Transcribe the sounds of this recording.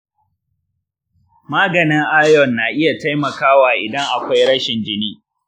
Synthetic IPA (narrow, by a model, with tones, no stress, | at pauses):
maː˦ɡɐ˨nɪ˦ŋʔa˦jɔ˨nːaː˨ʔɪ˦ja˨ta˦jmɐ˨kaː˦waː˨ʔɪ˨dɐ˦ŋʔa˨kʷa˦jɽɐ˦ʃɪ˨nd͡ʒɪ˦niː˦